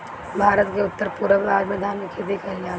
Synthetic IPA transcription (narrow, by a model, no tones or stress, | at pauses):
bʱaːɾət̪keʊt̪ːəɾpuːɾəbʋaːd͡ʒmẽd̪ʱaːnkʰebʱikɐɦelaː